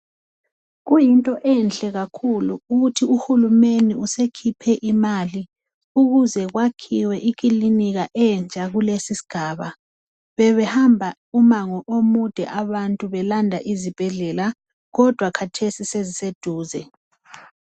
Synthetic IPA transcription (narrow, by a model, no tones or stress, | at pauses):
ɣujintʼɔʔɛnt͡ɬʼɛɣakʰuluuɣutʰiuhulumeniusekʰipʰɛʔimaːli | uɣuzɛɣwakʰiwɛʔik̬ʼiliniɣaʔɛnt͡ʃʼaɣulesisi̥ɡ̥ʱaːβa | βɛβɛhambʱa | umaŋɔʔomud̥ʱɛʔaβantʼuβɛlandʱaʔizib̥ʱɛɮɛla | ɣɔd̥ʱwakʰatʰesisezised̥ʱuːzɛ